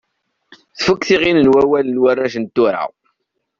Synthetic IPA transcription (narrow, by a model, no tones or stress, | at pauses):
θfəkːθiʁinənwæwælənwərːæʃənt̪ːʊɾa̰w